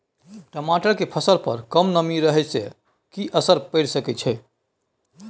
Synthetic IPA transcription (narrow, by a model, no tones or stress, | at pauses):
ʈəmaʈəɾkepʰəsəɾpə̰ɾkəmnəmiɾəɦɛsḛ | kiʔəsəɾpɛɽsəkɛt͡ʃʰɛ